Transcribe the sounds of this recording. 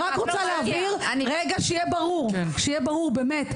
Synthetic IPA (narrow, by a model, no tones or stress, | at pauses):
ʁakʁot͡saleaviʁʁeɡaʃeijebaʁuʁʃejɛbaʁuʁbeːmet